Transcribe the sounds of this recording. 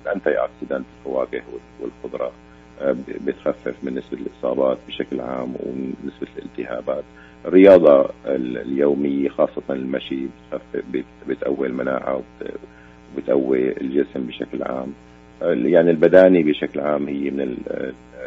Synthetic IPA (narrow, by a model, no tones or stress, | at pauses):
ʔant̪ajʔa̰ʕt̪sɪd̪anɪfawaːɡɪhwɪ | wɪ̰lxʊd̪ɾˤɑ | bɪt̪xafːɪfmɪnːɪsbalʔɨsˤɑ̰ːbɑːt̪̚bɪʃaklʕa̰ːmwnːɪsbalʔɪ̰lt̪ɪha̰ːbaːt̪ | ɪrːɪjɑːd̪ˤɑɪlljoːmɪjːaxɑːsˤːɑt̪ɑnɪlmaʃibɪt̪xafbɪbɪt̪ʔawːilmanaːʕa̰wb | bɪt̪ʔawːiɪ̰lʒɪsmbɪʃa̰klʕa̰ːm | jaʕnilbad̪aːnibɪʃaklʕaːmhɪjːmɪnɪl